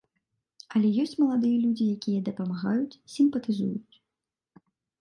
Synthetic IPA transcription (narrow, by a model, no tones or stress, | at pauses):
ɐlʲɛjɔsʲt͡sʲmɐlˠad̪ɨjɐlʲud͡zʲijakʲijɛd̪ɐpɐmaɣajut͡sʲsʲimpɐt̪ɨzujut͡sʲ